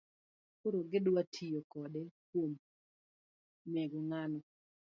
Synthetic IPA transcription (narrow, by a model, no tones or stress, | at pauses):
koɾoɡɪdwatʰijokɔdɛkwom | mɛɡoŋanɔ